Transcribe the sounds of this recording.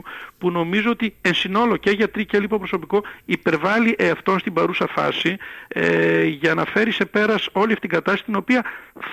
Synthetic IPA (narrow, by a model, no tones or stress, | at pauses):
puno̞mizoot̪iensino̞lo̞ce̞ʝɐt̪ɾicelipopɾo̞so̞piko̞ipe̞ɾvɐliʔeɐft̪o̞nst̪ibɐɾusɐfɐ̰sieʝɐnɐfe̞ɾise̞pe̞ɾɐso̞liɐft̪itiŋɡɐt̪ɐssit̪ino̞piɐ